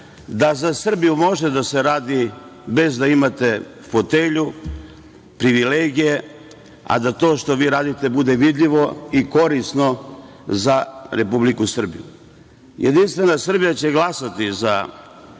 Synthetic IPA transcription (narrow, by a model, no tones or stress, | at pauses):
d̪azasr̩bijumo̞ʒed̪ase̞ɾaːd̪ibe̞zd̪aimat̪e̞ | fot̪eʎu | pɾiʋileːɡije̞ | a̰d̪at̪o̞ːʃt̪o̞ʋiːɾaːd̪it̪e̞bud̪e̞ʋid̪ʎʲiʋo̞iko̞ɾisno̞ | zaɾe̞publikusr̩bḭjṵ | jʔed̪inst̪ʋe̞nasr̩bijat͡ɕe̞ɡlˠasat̪iza